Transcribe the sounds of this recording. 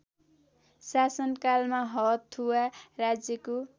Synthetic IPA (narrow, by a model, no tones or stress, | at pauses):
sasʌnkalmaɦʌt̪ʰːuwarad͡zjʌko